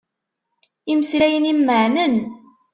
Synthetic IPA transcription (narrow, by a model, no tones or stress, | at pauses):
iməslæjənimːəʕnən